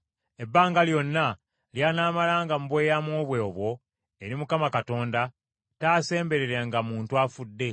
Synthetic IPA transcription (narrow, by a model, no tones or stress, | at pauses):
e̞bːaːŋɡaljo̞nːa | ljaːnaːmalaːŋɡamuβwe̞ːjamwoːβweoβwo̞ | eɾimukamakato̞ːnda | taːse̞ːmbe̞ɾeɾaŋɡamuːntuafudːe̞